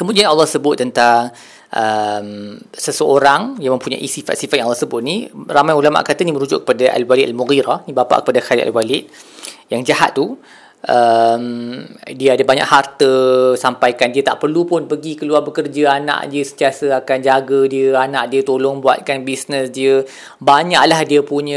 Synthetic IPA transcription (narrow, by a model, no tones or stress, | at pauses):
kəmudianalːɔhsəbʊt̪ːənt̪aŋ | ʔəmsəsəoɾaŋjaŋmə̃mpuɲa̰jʔisifat̪sifat̪̚jaŋɑlːɔsəbʊt̪̚niramajulama̰ʔkat̪animəɾud͡ʒʊ̰ʔkːə̥padaʔa̰lwaliʔa̰lmuɣiɾanibapa̰ʔkə̥padaxalḭʔa̰lwalɪʔ | jaŋd͡ʒaha̰t̪̚ːu | ʔəmdiəadəbaɲa̰ʔhart̪əsampajkandiət̪a̰ʔpərlupʊnpəɡikəluarbəkərd͡ʒəana̰ʔdiəsənt̪iasəakand͡ʒaɡədiəanaʔdiət̪olɔŋbua̰t̪̚kanbisnəsdiə | baɲa̰ʔlahdiəpuɲə